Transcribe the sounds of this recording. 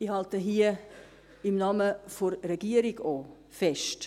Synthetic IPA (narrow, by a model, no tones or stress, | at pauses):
ihɑltəɦiːə | ɪmnɑməfɔɾɾɛɡ̥iəɾiɡoː | fɛʃt